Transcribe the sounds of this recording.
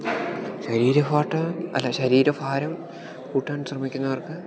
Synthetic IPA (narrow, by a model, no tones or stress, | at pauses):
ɕɐɾiːɾɐfaːʈːɐɐ̰lːɐɕɐɾiːɾɐfaːɾɐm | kuːʈːaːɳɕrɐmikʲːunːɐʋɐrkɨ